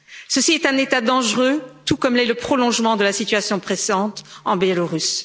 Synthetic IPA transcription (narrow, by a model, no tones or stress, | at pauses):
səsiɛt̪ɛ̃net̪ad̪ɑ̃ʒʁøt̪ukɔmlɛləpχɔlɔ̃ʒmɑ̃d̪əlasit̪ɥasjɔ̃pχesɑ̃t̪ɑ̃bjɛloʁys